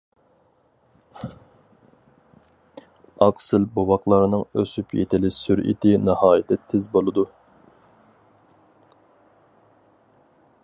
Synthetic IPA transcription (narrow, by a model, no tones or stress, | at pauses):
ɑqsɨlbowɑqlˠɑɾnɨŋøsypʰjḛt̪ʰɪlɪsyɾʔḭt̪ʰɪnɨhɑːjɪt̪ʰɛt̪ʰɪzbolˠɨd̪u